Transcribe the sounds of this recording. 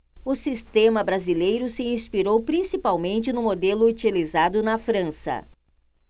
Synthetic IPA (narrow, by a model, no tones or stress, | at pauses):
ʊsist̪ẽmɐbɾazilejɾʊsɪĩspiɾowpɾĩsipawmẽnt͡ʃɪnʊmod̪elʊut͡ʃilizad̪ʊnɐfɾɐ̃sɐ̰